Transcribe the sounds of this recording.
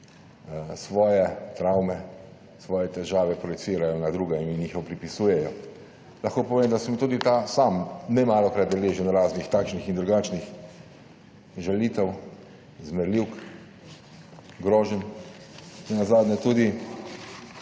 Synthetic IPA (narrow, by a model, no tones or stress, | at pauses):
sʋɔːjɛt̪ɾawmɛ | sʋɔːjɛt̪ɛʒaːʋɛpɾɔjɛsiːɾajɔnad̪ɾuːɡɛminixɔpɾipisuːjɛjɔ | lɐxkoːpɔʋeːmd̪asɛmt̪uːd̪it̪aːsamnɛmaːlɔkɾat̪d̪ɛleːʒənɾaːznixt̪aːkʃnixind̪ɾuɡaːt͡ʃnix | ʒɛlit̪ɛw | zmɛɾliwk | ɡɾɔːʒən | nɛnazaːd̪nʲɛt̪uːd̪i